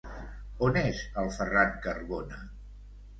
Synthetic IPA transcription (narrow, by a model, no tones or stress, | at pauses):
onezəlˠfəraŋkərβonə